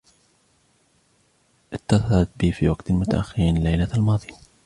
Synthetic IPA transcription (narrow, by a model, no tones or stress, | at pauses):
ʔɪt̪ːasɑɾˤat̪̚biːfiwaɡt̪mʊt̪a̰ʔaxːɪɾiːnlajlaalmɑːðˤi